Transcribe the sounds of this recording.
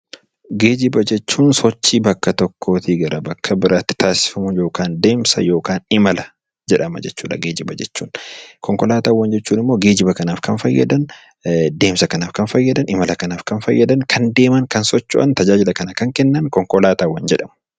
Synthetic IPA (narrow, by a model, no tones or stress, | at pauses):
ɡe̞ːd͡ʒɪbɐd͡ʒɛt͡ʃːuːnsɔt͡ʃːiːbɐkːɐt̪ɔkʰːo̞ːt̪iɡɐɾɐbɐkʰːɐbɪɾaːt̪ːɪ̥t̪ʰaːsɪ̥fɐmʊjoːkaːnd̪e̞ːmsɐjo̞ːkaːnɪmɐlɐ | d͡ʒɛᶑɐmɐ̰d͡ʒɛt͡ʃːuːᶑɐɡeːd͡ʒɪbɐd͡ʒɛt͡ʃːuːnkɔŋkɔlaːt̪aːwːɐnd͡ʒɛt͡ʃːuːnɪmːoːɡe̞ːd͡ʒɪbɐkɐnaːfkɐnfɐjːɐ̰d̪ɐn | d̪e̞ːmsɐkɐnaːfkɐnfɐjːɐd̪ɐnɪmɐlɐkɐnaːfkɐnfɐjːɐd̪ɐnkʰɐnd̪e̞ːmɐŋkɐnsɔt͡ʃːʊ̰ʔɐ̰nt̪ɐd͡ʒaːd͡ʒɪlɐkɐnɐkɐŋkɛnːɐŋkɔŋkɔlaːt̪aːwɐnd͡ʒɛᶑɐm